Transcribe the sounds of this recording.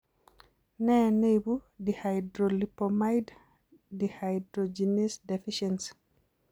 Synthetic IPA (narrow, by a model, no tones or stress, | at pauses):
nɛnejbudihajdɾolipɔmajdː | ihajdɾod͡ʒinisdɛfiʃɛns